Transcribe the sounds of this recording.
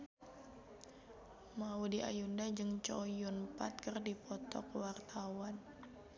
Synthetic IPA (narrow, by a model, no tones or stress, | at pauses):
maudiʔa̰jundad͡ʒɨŋt͡ʃojunpat̪̚kərdipɔt̪ɔ̰kwart̪ʰawan